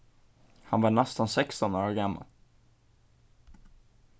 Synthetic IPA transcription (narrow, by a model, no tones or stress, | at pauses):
hanvɑɳɛst̪ansɛkst̪ɔnoːɾaɡamːa̰l